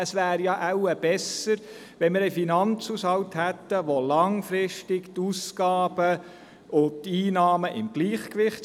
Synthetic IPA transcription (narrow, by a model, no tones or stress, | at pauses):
əsʋæːɾjɑʔæwəb̥ɛsəɾ | ʋɛnmɪɾɛfinɑnt͡sushɑwthæt̪ːəʋolɑŋfɾɪʃtɪkt̪uskɑːb̥ə | ʔʊtiːnɑːməʔɪ̰mɡ̥liːχkʋɪχ